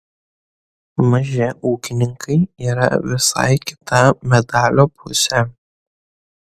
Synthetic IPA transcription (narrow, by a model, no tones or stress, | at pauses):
mɐʒɛuːkʲɪnʲɪŋkʰɐɪiːɾɐ̰ʋʲɪsɑ̰jkʲɪ̥t̪ʰɐmʲɛd̪aːlʲopʰusʲɛ